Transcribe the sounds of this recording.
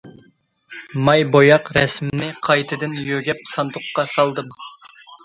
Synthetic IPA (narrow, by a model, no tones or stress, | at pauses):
mɑjbojɑqɾɛsmɪnɪqʰɑjt̪ʰɨd̪ɪnjøɡʲɛp̚sɑnt̪ʰʊqːɑsɑlˠd̪ɨm